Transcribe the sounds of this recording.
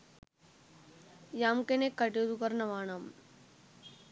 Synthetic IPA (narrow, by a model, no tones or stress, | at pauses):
jaːmkenekɐʈjed̪ukɐɾnɐʋaːnam